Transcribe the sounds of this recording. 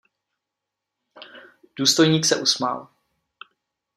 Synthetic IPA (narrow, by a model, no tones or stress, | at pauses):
d̥uːst̪o̞jɲiːksɛʔusma̰l